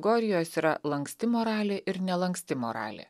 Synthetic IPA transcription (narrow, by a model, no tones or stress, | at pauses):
ɡoːɾʲɪjoːsiːɾɐlˠɐŋksʲt̪ʲɪmoːɾɑːlʲeʔɪɾnʲɛlˠɐŋksʲt̪ʲɪmo̰ɾɑ̰ːlʲḛː